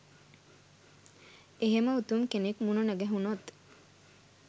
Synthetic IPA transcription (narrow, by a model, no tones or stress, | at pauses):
eɦeməut̪uŋkenekmununɐɡɛɦunot̪